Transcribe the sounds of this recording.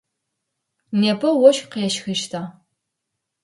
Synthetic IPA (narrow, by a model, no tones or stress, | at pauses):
neːpʰɐwɔʃqeːʃxɨʃtʰaː